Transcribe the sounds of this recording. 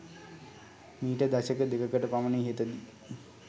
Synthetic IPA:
miːʈəd̪aɕəkəd̪ekəkəʈəpaməneɦet̪əd̪i

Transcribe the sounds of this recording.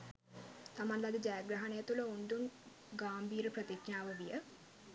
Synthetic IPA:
t̪amanlad̪əd͡ʒajaɡɾɐɦɐnejət̪uləund̪un | ɡaːmbʱiːɾəprət̪ikɲaːʋəʋijə

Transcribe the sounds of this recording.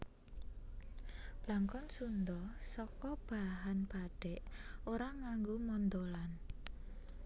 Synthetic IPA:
b̥laŋkɔnsund̪ɔsɔkɔb̥a̤ɦanpaɖ̥ɛʔoɾaŋaŋɡomɔnd̪olan

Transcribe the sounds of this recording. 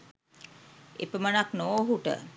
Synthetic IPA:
ḛpəmənaknoːɦuʈə̰

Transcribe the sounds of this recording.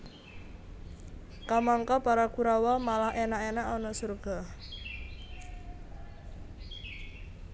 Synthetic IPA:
kamaŋkɔpaɾakuɾawɔmalahenaʔenaʔɔnɔsurɡ̥a̤

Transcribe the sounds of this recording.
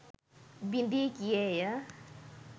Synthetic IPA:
bind̪ikieja

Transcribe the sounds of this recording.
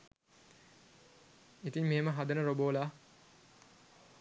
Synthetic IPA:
it̪iŋmeːməɦad̪ənəɾoboːlaː

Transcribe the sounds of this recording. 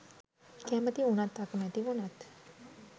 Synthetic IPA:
kɛːmət̪iunat̪ːakəmɛt̪iʋunat̪

